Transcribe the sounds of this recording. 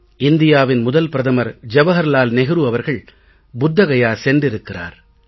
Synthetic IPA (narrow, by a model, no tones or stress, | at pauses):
ɪnd̪ɪjaːʋɪnmʊðɐlpɪɾɐðɐmɐɾd͡ʒɐʋɐɦɐɾlaːlnɛɣɯɾuɐʋɐɾɣɐɭ | bʊd̪ːɐɣɐjaːsɛndɪɾɯkːɪra̰ːɾ